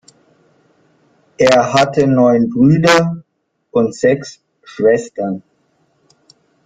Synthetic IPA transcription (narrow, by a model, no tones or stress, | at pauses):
ʔeːɐɦatʰənɔʏnbʁyːdɐ | ʊntz̥ɛks | ʃv̥ɛstɐn